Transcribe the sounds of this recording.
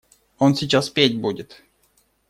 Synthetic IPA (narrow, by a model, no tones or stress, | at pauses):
onsʲɪt͡ɕaspʲetʲbudʲɪt̪